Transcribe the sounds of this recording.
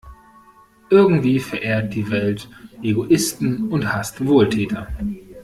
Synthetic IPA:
ʔɪɐɡŋ̩tv̥iːfɛɐʔeːɐt̚d̥iːvɛltʔeɡoʔɪstn̩ʊnthastvoːltʰɛːtʰɐ

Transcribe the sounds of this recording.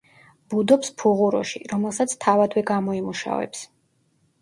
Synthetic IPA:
b̥ud̪ɔpspʰuʁuɾɔ̰ʃḭɾɔmɛlˠsat̪sʰt̪ʰavad̪wɛɡamɔimuʃa̰vɛ̰ps

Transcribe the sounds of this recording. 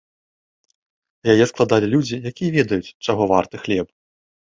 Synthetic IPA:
jajɛsklˠad̪alʲilʲud͡zʲijakʲijɐvʲɛd̪ɐjut͡sʲt͡ʂaɣɔvart̪ɨxlʲɛp

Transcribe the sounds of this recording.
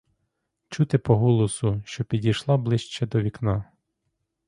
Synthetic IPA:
t͡ʃut̪ɪpɔɦɔlˠɔsʊʃt͡ʃɔpʲidʲijʃlˠɑblˠɪʃt͡ʃɛd̪ɔʋʲiknɑ

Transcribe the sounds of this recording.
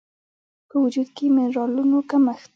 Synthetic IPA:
pəwʊd͡ʒud̪kemɪnɾɑlunokaməxt̪

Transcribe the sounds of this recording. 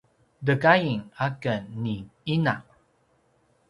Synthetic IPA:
dəɡajiŋakənːiinaʔ

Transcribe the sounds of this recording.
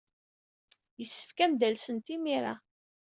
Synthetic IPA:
jəsːə̥fkæmd̪ælsənt̪imiɾa̰

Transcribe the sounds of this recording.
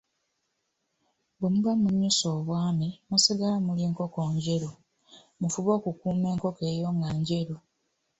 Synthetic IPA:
bemuβamuɲːusoːβwaːmimusiɡalamuliːŋko̞ko̞ːɲɟe̞ɾo | mufuβo̞ːkukuːme̞ːŋko̞ke̞ːjo̞ŋɡaɲɟe̞ɾo

